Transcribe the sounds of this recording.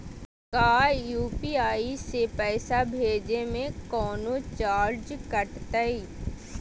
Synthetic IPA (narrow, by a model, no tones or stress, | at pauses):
kaːjuːpiaːisepɛːsabʱeːd͡ʒemẽkɔːnot͡ʃaːɾd͡ʒkɐʈt̪əi